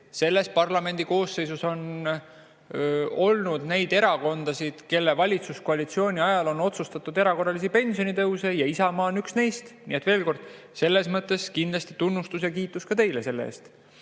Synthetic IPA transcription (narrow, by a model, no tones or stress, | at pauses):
se̞lːe̞s̚pɑrlɑme̞nʲd̪̥iko̞ːsːe̞jsuso̞n | o̞lnud̪̥ne̞jd̪̥e̞ɾɑko̞nd̪̥ɑsid̪̥ke̞lːe̞vɑlʲit̪suskoɑlit̪sio̞ːnʲiɑjɑlo̞no̞t̪sust̪ɑt̪ːˑud̪e̞ɾɑko̞rːɑlis̬ipe̞nʲsionit̪ɤwse̞jɑisɑmɑːnyksne̞jst̪nḭːet̪ve̞ːlko̞rd̪̥ | se̞lːe̞smɤt̪ˑːe̞skind̪lɑsʲt̪it̪unːust̪usjɑkiːt̪ːˑuskɑt̪e̞jlese̞lːeḛːst̪